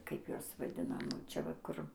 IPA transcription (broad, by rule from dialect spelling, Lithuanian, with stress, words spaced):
ˈkɐɪp ˈjuɔs ʋɐˈdʲɪnɐm ˈt͡ʃʲɛ ʋɐ ˈkʊr